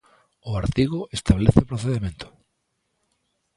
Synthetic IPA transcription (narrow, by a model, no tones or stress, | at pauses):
ʊaɾt̪iɣʊest̪aβleθepɾoθeðemẽnt̪ʊ̥